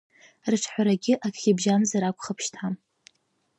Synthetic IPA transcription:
rɨʈ͡ʂʰħʷaɾaɡʲɪʔakʲχʲibʒanzaɾakʷʰʼχəpʰʃtʰam

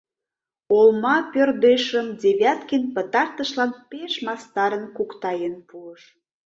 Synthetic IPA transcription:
olmɑpørd̪eʃəmd̪ʲeβʲjɑt̪kinpət̪ɑrt̪əʃlɑnpeʃmɑst̪ɑɾənkukt̪ɑjənpuəʃ

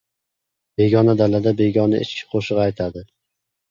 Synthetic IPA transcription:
b̥e̞ɡʲɒnad̪alad̪abe̞ɡʲɒnaʔɪ̰t͡ʃkʲʰɪ̥qʰoʃɨʁajt̪ʰad̪ɪ

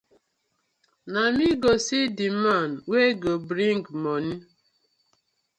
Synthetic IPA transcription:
namiɡosidimanweɡobɾiŋɡmɔni

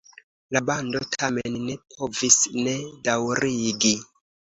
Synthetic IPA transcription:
labando̞tʰamenːe̞pʰo̞visne̞dawɾʔiɡi

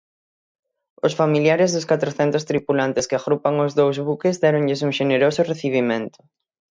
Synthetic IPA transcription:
ʊsfamiljaɾɪzðʊskat̪ɾoθɛnt̪ʊst̪ɾipulant̪ɪskɪaɣɾupaŋʊzðowzβukɪzðɛɾõŋʎɪs̬uŋʃeneɾosʊreθiβ̞imẽnt̪ʊ̥

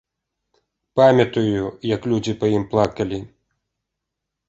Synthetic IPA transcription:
pamʲɐt̪ujujɐklʲud͡zʲipɐjimplˠakɐlʲi

